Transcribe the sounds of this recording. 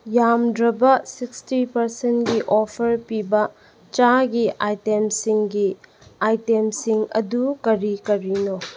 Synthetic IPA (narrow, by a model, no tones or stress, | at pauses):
jamdɾɐbɐsikstipɐɾsenɡiʔopʰɐɾpibɐ | t͡ʃaɡiʔajtemsiŋɡi | ajtemsiŋɐ̰dukɐɾikɐɾino